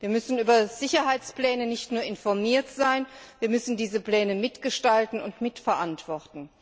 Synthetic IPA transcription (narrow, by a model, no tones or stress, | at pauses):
viːɐmʏsn̩ʔyːbɐz̥ɪçɐɦaɪt͡spl̥ɛːnənɪçtnuːɐɪnfɔɐmiːɐtz̥aɪnviːɐmʏsn̩diːzəpl̥ɛːnəmɪtɡ̥əʃtaltn̩ʊntmɪtfɛɐʔantv̥ɔʁtn̩